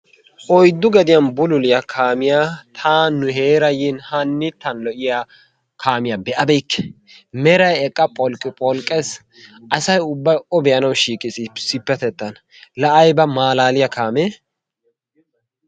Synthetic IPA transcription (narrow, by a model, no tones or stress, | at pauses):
ʔɔjd̪ːʊɡɐd̪ɪjɐnbʊlʊlɪjakʰaːmɪjaːt̪ʰaːnːʊheːɾɐjɪnhɐnːɪt̪ːɐnlɔʔɪja | kʰaːmɪjabɛʔɐbɛjkːɛ̥ | mɛɾɐjɛkʼːɐpʼɔlkʼɪpʼɔlkʼɛs | ʔɐsɐjʊbːɐjʔɔbɛjɐnɐwʃiːkʼɪsʼisɪpːɛt̪ɛt̪ːɐn | lɐʔɐjbɐmaːlaːlɪjɐkʰaːme